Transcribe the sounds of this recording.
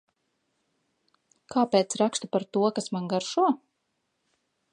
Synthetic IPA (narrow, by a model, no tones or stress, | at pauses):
kʰaːpeːt̪sɾakst̪upaɾt̪uɔkasmanɡaɾʃuɔ